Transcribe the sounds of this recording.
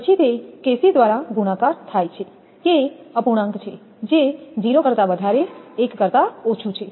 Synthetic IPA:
ət͡ʃʰit̪ekesid̪ʋaɾaɡunakaɾt̪ʰajt͡ʃʰe | keəpuɽ̃ə̃ŋɡt͡ʃʰe | d͡ʒed͡ʒiɾokəɾt̪abəd̪ʱaɾeekkəɾt̪aot͡ʃʰut͡ʃʰe

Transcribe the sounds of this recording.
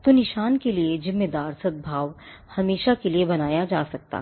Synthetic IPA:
t̪onɪʃaːnkelied͡ʒɪmːed̪aːɾsɐd̪̚bʱaːʋ | hɐmeːʃakeliebɐnaːjad͡ʒaːsɐk̚t̪a̰ː

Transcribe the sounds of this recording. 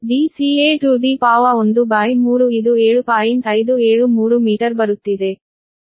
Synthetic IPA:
ɖiːsieːʈuːɖ̪ipaːʋɐond̪ubaːjmuːɾuid̪ueːɭupaːjinɐjd̪ueːɭumuːɾumiːʈɐɾbɐɾut̪ːid̪e̞

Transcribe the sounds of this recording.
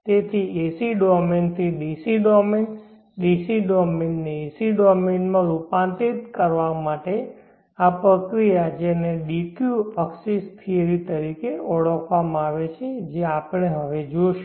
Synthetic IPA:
t̪et̪ʰiesiɖɔmint̪ʰiɖisiɖɔmin | ɖisiɖɔmenːeesiɖɔminmãɾupãnt̪it̪kəɾʋamaʈe | apɾəkɾijad͡ʒeneɖikjuəksist̪ʰieɾit̪əɾikeɔɭəkʰʋamãaʋet͡ʃʰed͡ʒeapəɳeɦəʋed͡ʒoʃ

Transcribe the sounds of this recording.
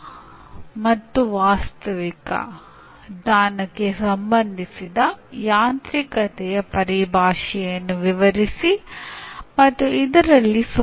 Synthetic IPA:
mɐt̪ːuʋaːst̪ɐʋikɐ̰ | d̪aːnɐkːe̞sɐmbɐnd̪ʱisid̪ɐjaːnt̪ɾikɐt̪ɛjɐpɐɾibʱaːʂɛjjɐnːuʋiʋɐɾisi | mɐt̪ːuid̪ɐɾɐlːisɐ

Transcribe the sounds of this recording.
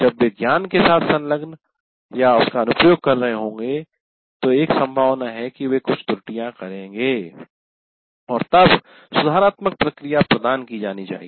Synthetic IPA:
d͡ʒɐbʋeɡjaːnkesaːt̪ʰsɐ̃nləɡn | jaʊskaɐnʊpjoːɡ̚kɐɾːɐɦẽɦõːŋ̆ɡe | t̪oeːksɐ̃mbʱaːʋnaɦɛkiʋekʊt͡ʃʰt̪ʊɾʈijãkɐɾẽːŋɡeː | ɔːɾt̪ɐb | sʊd̪ʱaːɾaːt̪mək̚pɾɐkɾijapɾɐd̪aːnkid͡ʒaːnit͡ʃa̰ːɦḭ

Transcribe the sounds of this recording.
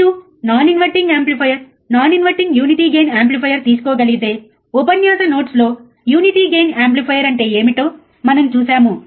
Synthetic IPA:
u | naːninʋɐɾʈiŋɡaːmplipʰɐjɐɾ | naːninʋɐɾʈiŋɡjuːniʈiːɡe̞ːnaːmp̬lipʰɐjɐɾt̪iːs̬u̥kɔːɡɐliɡit̪e̞ː | upɐnjaːsɐno̞ːʈslo̞ː | juːniʈiːɡe̞ːnaːmplipʰɐjɐɾɐɳʈe̞ːe̞ːmiʈoː | mɐnɐmt͡ʃuːsaːmu

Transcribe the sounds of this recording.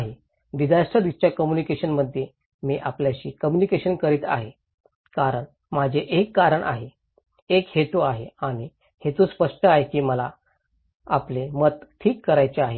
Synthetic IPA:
aɦe | ʋid͡zaʂʈ̪əd̪ist͡ɕjakəmjunikeɕənməd̪ʱːje | miːʔapljaɕiːkəmjunikeɕənkəɾiːt̪a̰ɦe | kaɾəɳ | m̤ad͡ʑʱeʔekːaɾəɳʔa̰ɦe | ekhet̪uaɦeaɽ̃i | het̪uspəʂʈəaɦekiːməla | aplemət̪ʈʰiːkːəɾajt͡ɕeaɦe

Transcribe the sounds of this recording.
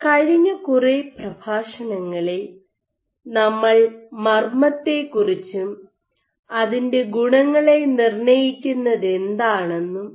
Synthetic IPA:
kɐɻiɲːɐkureprɐbʱaːʂɐnɐŋːɐɭe | nɐmːɐɭmɐrmɐt̪ːe̞kːurit͡ɕːu | ɐðinde̞ɡuɳɐŋːɐɭenirɳɐjikʲːunːɐðe̞nd̪aːɳe̞nːum

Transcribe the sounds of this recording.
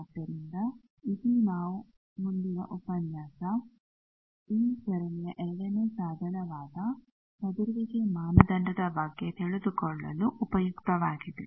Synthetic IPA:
ɐt̪ːɐɾind̪ɐ | id̪inaːʋu | mund̪inɐ̰ʔupɐnjaːsɐ | iːsɐɾɐnijɐʔeɽɐnesaːd̪ʱɐnɐʋaːd̪ɐ | sɐd̪iɾʋɐɡemaːnɐd̪ɐɳɖɐd̪ɐbɐɡet̪eɭud̪ukoɭːɐ̰luʔupɐjukt̪ɐʋaːɡiti

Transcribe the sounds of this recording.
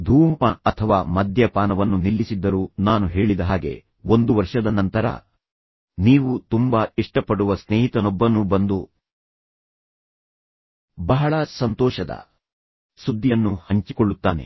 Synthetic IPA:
d̪ʱuːmpaɐt̪ʰɐʋaːmɐd̪ʱjɐpaːnɐʋɐnːunilːisid̪ːɐɾuːnaːnuɦe̞ːɭid̪ɐɦaːɡe̞̰ | ond̪uʋɐɾʂɐd̪ɐnɐnt̪ɐɾɐ̰ | niːʋut̪umbaiʂʈɐpːɐɽuʋɐsneːɦit̪ɐnɔbːɐnubɐnd̪u | bɐɦɐɭɐsɐnt̪ɔːʃɐd̪ɐ̰ | sud̪ːijɐnːuhɐɲt͡ʃikɔɭːut̪ːa̰ːne̞̰

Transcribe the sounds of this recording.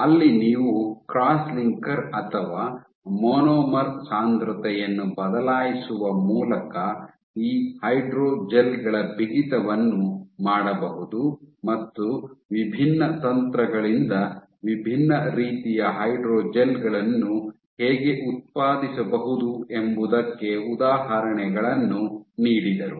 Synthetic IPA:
ɐlːiniːʋukɾaːsliŋkɐɾɐt̪ʰɐʋaː | moːnoːmɐɾsaːnd̪ɾɐt̪ɛjɐnːubɐd̪ɐlaːjisuʋɐmuːlɐkɐ | iːhɐjɖɾoːd͡ʒelɡɐɭɐbiɡit̪ɐʋɐnːumaːɽɐbɐɦud̪umɐt̪ːuʋibʱinːɐt̪ɐnt̪ɾɐɡɐɭind̪ɐ | ʋibʱinːɐɾiːt̪ijɐɦɐjɖɾoːd͡ʒelɡɐɭɐnːu | heːɡe̞ʔut̪̚paːd̪isɐbɐɦud̪ue̞mbud̪ɐkːe̞ud̪aːɦɐɾɐɳɛɡɐɭɐnːuniːɽid̪ɐɾu

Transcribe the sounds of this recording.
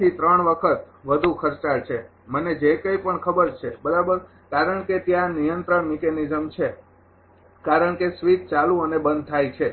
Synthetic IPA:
it̪ɾəɳʋəkʰət̪ | ʋəd̪ʱũkʰəɾt͡ʃaɭt͡ʃʰe | məned͡ʒekəjpəɳkʰəbəɾt͡ʃʰebəɾabəɾ | kaɾəɳket̪jãnijənt̪ɾəɳmikenizəmt͡ʃʰe | kaɾəɳkesʋit̪̚t͡ʃalũənebə̃nd̪̚ʱt̪ʰajt͡ʃʰe

